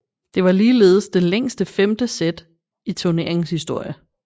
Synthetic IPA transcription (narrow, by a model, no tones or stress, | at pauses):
d̥e̝ʋɑ̈liːle̝̰ːð̞̩ˠsd̥e̝leŋ̰sd̥əfemd̥əsed̥ | it͡sʰone̝ɐ̰eŋshisd̥o̝ɐ̰jə